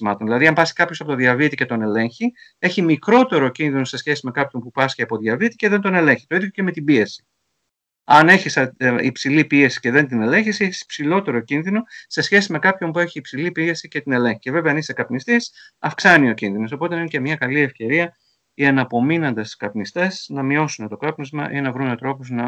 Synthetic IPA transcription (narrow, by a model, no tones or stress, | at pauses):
simɐt̪onðilɐðiɐmpɐsi̥kɐpçosɐpo̞t̪oðjɐvit̪ice̞t̪o̞ne̞le̞ɲçie̞çimikɾo̞t̪e̞ɾo̞cinðino̞se̞sçe̞sime̞kɐpço̞npupɐsceɐpo̞ðʝɐvit̪i̥ce̞ðe̞nt̪o̞ne̞le̞ɲçi̥t̪oiðjo̞ce̞me̞t̪ibie̞si̥ | ɐne̞çisɐḭpsilipie̞si̥ce̞ðe̞nt̪ine̞leɲçiseçisi̥psilo̞t̪e̞ɾo̞cinðino̞se̞sçe̞sime̞kɐpço̞mpue̞çiːpsilipie̞sice̞t̪ine̞lẽ̞ŋçice̞ve̞veɐnisekɐpnist̪isɐfksɐnio̞cinðino̞so̞po̞t̪enencemɲɐkɐlie̞fce̞ɾiɐ | iɐnɐpo̞minɐnd̪ɐskɐpnist̪e̞snɐmio̞sunet̪o̞kɐpnozmɐʔinɐvɾunmet̪ɾo̞pos̬nɐ